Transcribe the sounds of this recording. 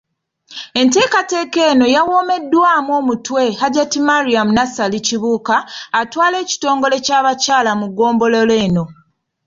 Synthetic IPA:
e̞nte̞ːkate̞ːke̞ːno̞jawo̞ːme̞dːwaːmuo̞ːmutwe̞ɦaɟatimaɾiamunasaliciβuːkaːtwaːle̞ːci̥to̞ːŋɡo̞le̞caːβacaːlamuɡo̞ːmbo̞lole̞ːno̞

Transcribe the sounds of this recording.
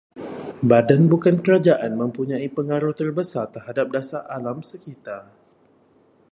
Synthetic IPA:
badanbukankəɾad͡ʒaʔanmə̃mpuɲãipəŋaɾuht̪ərbəsart̪ərɦadap̚dasaʔalamsəkit̪a

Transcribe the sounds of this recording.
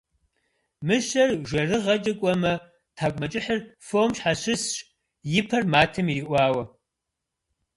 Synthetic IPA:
mɨʃɐrʒʷɐrɨʁɐt͡ʃʼɐkʷʼɔmɐ | tʰaːkʷʼmɐt͡ʃʼɪħɨrfoːmɕħaɕɪsɕʼ | jɪpʰɐrmaːtʰɐmiʔʷɑːwɐ

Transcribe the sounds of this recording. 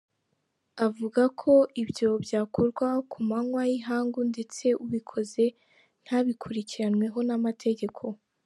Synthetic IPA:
avuɡakʰo̞ʔibjo̞bjaːkʰo̞ɾɡwakumaŋwajiɦaːŋɡunde̞t͡se̞uβikʰo̞ze̞ | n̥haβikʰuɾiciɾanŋwe̞ɦo̞namatʰe̞ɟe̞kʰo̞

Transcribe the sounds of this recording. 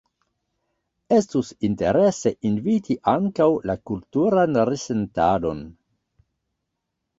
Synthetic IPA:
e̞stusinte̞ɾe̞se̞ʔinvitʰiʔaŋkawlakultuɾanɾesentado̞̰n

